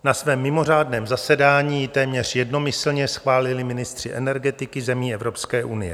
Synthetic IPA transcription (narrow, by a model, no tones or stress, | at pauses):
nasvɛːmːɪmo̞r̝aːdnɛːmzasɛdaːɲiːjɪt̪ɛːmɲɛr̝jɛdno̞mɪsl̩ɲɛsxvaːlɪlɪmɪnɪst̪r̝̥ɪʔɛnɛɾɡɛt̪ɪkɪzɛmiːɛvɾo̞pskɛːʔunɪjɛ̰